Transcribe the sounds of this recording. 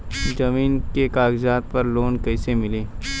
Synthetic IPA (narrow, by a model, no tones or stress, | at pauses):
d͡ʒɐmiːnkekaːɡzaːt̪̚pɐɾloːnkɐɪsemɪleː